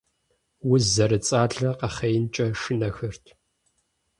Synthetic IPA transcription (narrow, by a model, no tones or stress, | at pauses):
wʊzɐɾɨt͡sʼaːɮɐqɐχejnt͡ʃʼɐʂɨnɐxɨrtʰ